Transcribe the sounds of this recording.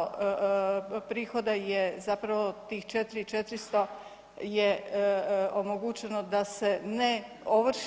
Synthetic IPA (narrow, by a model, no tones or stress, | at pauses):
pɾiːxo̞d̪ajezapɾaʋo̞t̪iːxt͡ʃet̪iɾit͡ʃet̪ɾist̪o̞ | je | omoɡuːt͡ɕenod̪ase̞ne | oʋrʃ